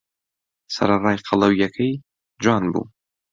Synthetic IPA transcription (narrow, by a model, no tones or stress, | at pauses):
sɐ̰ɾarɑːjqʰɑlˠɐwjɐkʰɐj | d͡ʒɑːnbṵː